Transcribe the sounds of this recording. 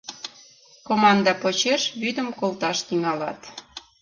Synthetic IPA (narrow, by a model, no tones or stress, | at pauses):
komɑnd̪ɑpot͡ɕeʃβyd̪əmkolt̪ɑʃt̪iŋɑlɑ̰t̪